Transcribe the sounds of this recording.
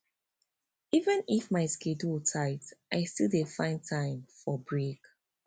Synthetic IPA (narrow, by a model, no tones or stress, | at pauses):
ivə̃nifmaɪskʰedutʰaɪtʔaɪstilˠdefãɪ̃ntʰãɪ̃mfɔbɹek